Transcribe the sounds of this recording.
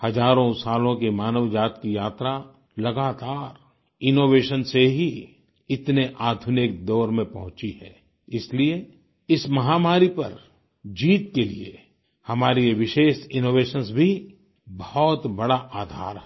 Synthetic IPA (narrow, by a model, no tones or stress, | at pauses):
hɐzaːɾõsaːlõkimaːnəʋd͡ʒaːt̪kijaːt̪ɾa | lɐɡaːt̪aːɾ | ɪnoːʋeːʃənseɦi | ɪt̪neʔaːd̪ʱʊnɪk̚d̪ɔːɾmẽpɐɦʊ̃t͡ʃiɦɛ̰ː | ɪslie | ɪsmɐɦaːmaːɾipɐ̰ɾ | d͡ʒiːt̪̚kelḭḛ | hɐmaːɾiʋɪʃeːʃɪnoːʋeːʃənsbʱi | bɔɦɔːt̪bɐɽaʔaːd̪ʱa̰ːɾɦɛ